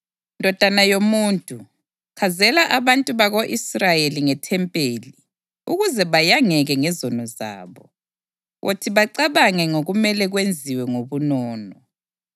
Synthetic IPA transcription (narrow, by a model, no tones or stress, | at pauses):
ndʱɔd̥ʱanajomuːntʼu | kʰazɛlaʔaβantʼuβaɣoʔisrajeliŋɛtʰɛmpʼeːli | ṵɣuzɛβajaŋɛɣɛŋɛzɔnɔza̰ːβɔ | wʔo̰tʰiβaǀaβaŋɛŋoɣumɛlɛɣwend͡zʱiwɛŋoβunɔːnɔ